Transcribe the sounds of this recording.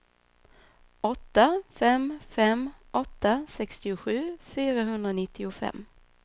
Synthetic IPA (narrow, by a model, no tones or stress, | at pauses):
ɔt̪ːafɛmfɛmʔɔt̪ːasɛkst̪ɪʊɧʉ̟ːfyːɾaɦɵnd̪ɾaɔnɪt̪ʰːɪʊfɛ̰mː